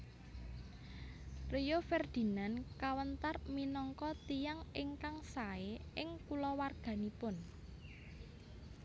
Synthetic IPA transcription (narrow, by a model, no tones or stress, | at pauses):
rijofɛrd̪̥i̤nankawənt̪arminɔŋkɔt̪ijaŋɪŋkaŋsaeʔɪŋkulɔwarɡ̥a̤nipʊn